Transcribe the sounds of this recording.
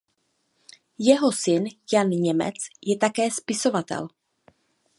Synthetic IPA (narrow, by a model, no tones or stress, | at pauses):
jɛɦosɪnjanɲɛmɛ̰t͡sjɛt̪akɛːspɪsovat̪ɛ̰l